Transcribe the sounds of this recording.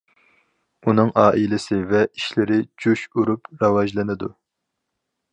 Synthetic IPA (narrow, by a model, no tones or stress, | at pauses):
unɨŋʔɑːʔilɪsɪvɛiʃlɪɾɪd͡ʒuʃuɾupɾɑwɑʒlˠɨnɪd̪u